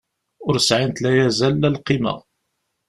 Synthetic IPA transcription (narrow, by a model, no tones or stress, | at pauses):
ʊɾsʕint̪læjæzælːælqimə̰ʁ